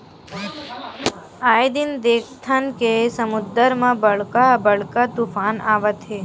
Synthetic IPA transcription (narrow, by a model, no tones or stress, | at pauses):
aːjd̪ind̪eːkʰt̪ʰankesəmʊd̪əɾmãbəɭkabəɭkat̪ufaːnaːʋət̪ɦe